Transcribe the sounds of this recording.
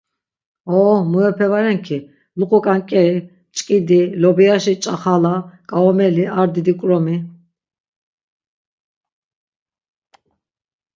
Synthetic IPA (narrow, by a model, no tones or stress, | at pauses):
ɔmuɛpʰɛvaɾɛŋkʰi | luqʼɔkʼankʼɛɾi | t͡ʃʼkʼid̪ilɔbiaʃit͡ʃʼaχalakʼaɔmɛliaɾd̪id̪ikʼɾɔmi